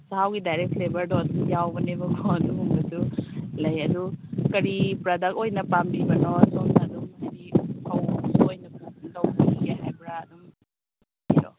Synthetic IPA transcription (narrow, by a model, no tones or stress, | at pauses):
sahawɡidajɾek̚tlebɐɾdɔɐdumjawbɐnebɐkʰɔɐduɦumbɐsulɐjɐdukɐɾipɾɐdɐk̚ojnɐpambibɐnɔsɔmsadumajɾikʰɐwsuojnɐpukntɐwbiiɡaɦajbɾaːdum | biɾɔ̰